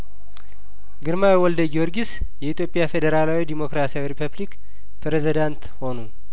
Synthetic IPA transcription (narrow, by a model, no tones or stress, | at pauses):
ɡɨɾmawiwɔld̪əɡoɾɡis | jɛit̪ʰjo̞pʼːɪjafed̪əɾalawid̪imo̞kɾasiawiɾipʰəblik | pɾezid̪ant̪ho̞nu